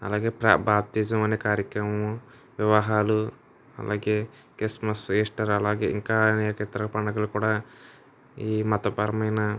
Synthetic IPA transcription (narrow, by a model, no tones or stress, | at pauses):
ɐ̰laːɡeːpɾa̰ːbaːb̚t̪iːd͡ʒɐmɐneːkaːɾjɐkɾɐmɐmu | ʋjɐʋɐɦaːlu | ɐ̰lʔa̰ːɡeː | kesmɐseːsʈɐɾɐlaːɡḛːḭŋkaːnːkɐt̪ɐɾɐɐpɐɳːɐɡɐlukuːɽaː | iːmɐt̪ɐpɐɾɐmɐjnɐ